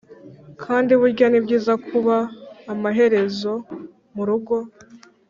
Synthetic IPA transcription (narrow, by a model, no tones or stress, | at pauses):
kʰaːndiβuɾɟanibɟiːzakʰuβaːmaɦe̞ɾe̞zo̞ | muɾuɡo̞